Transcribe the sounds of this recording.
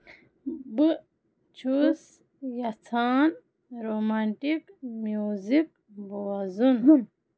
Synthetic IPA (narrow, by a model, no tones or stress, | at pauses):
bu | t͡ʃʰus | jɐt͡sʰaːn | ɾomanʈikmjuːzik̚ | boazun